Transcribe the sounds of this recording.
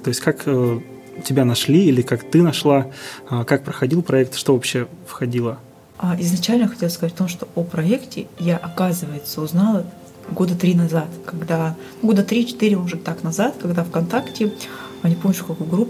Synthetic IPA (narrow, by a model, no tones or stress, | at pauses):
t̪o̞ɪsʲtʲkakə | tʲɪbʲanɐʂlʲiilʲɪkakt̪ɨnɐʂlˠakak̚pɾəxɐdʲilˠpɾɐɛk̚t̪ʂt̪ovɐpɕːefxɐdʲilˠə | aɪznɐt͡ɕælʲnəxɐtʲelˠəskɐzatʲɐt̪o̞mʂt̪o̞ʔopɾɐektʲɪjaʔɐkazɨvəjɪt̪səʊznalˠə | ɡo̞d̪ət̪ɾʲinɐzat̪kɐɡd̪anuɡo̞d̪ət̪ɾʲit͡ɕɪ̥t̪ɨɾʲɪmoʐɨt̪aknɐzat̪kɐɡd̪afkɐnt̪aktʲɪ | ɐnʲɪpomt͡ɕːʊ̥kɐkojɡɾupː